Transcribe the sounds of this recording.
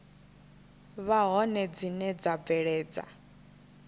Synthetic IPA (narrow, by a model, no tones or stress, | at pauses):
βaɦɔnɛd͡zinɛd͡zab̪vɛɺɛːd͡za̰